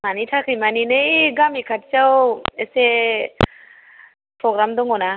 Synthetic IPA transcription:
manitʰakʰɯjmaninɯɡamikʰat̚t͡ʃawese | pʰɾɔɡɾamd̪ɔŋɔna

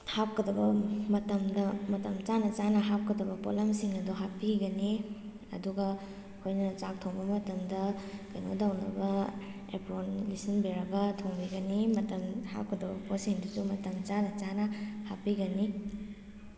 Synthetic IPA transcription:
hap̚kɐdɐbɐmɐtɐmdɐmɐtɐmt͡ʃanɐt͡ʃanɐɦap̚kɐdɐbɐpo̰lɐmsiŋɐduɦapiɡɐni | ɐ̰duɡɐ | kʰojnɐt͡ʃak̚tʰoŋbɐmɐtɐmdɐkɐjno̰dawnɐ̰bɐ | ḛpɾonlisinbiɾɐɡɐtʰoŋbiɡɐnimɐtɐmha̰p̚kʰɐdɐbɐposiŋduzumɐtɐmt͡ʃanɐt͡ʃanɐhapiɡɐni

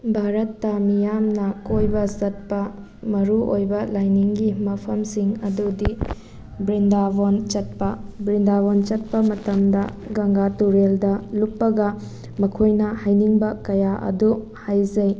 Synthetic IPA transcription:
bʱaɾɐtːɐmijamnɐkojbɐzɐt̚pɐ | mɐɾuʔojbɐlajniŋɡimɐpʰɐmsiŋɐdudi | bɾindabont͡ʃɐt̚pɐbɾindaβont͡ʃɐt̚pɐmɐtɐmdɐ̰ɡɐŋɡatuɾeldɐlupːɐɡɐ | mɐkʰojnɐhajniŋbɐkɐjaʔɐ̰du | hajzɐj

